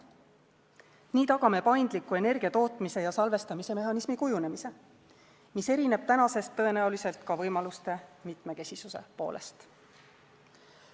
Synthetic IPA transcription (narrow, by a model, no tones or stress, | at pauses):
niːt̪ɑɡ̥ɑme̞pɑjnd̪̥likːˑue̞ne̞rɡ̥iɑt̪o̞ːt̪ˑmise̞jɑsɑlve̞st̪ɑmise̞me̞ɦɑnismikujune̞mise̞ | mise̞ɾine̞b̥̚t̪ænɑse̞st̪ːɤ̞e̞næulise̞lt̪kɑvɤjmɑlust̪e̞mit̪ˑme̞ke̞sisuse̞̰po̞̰ːlʔe̞̰st̪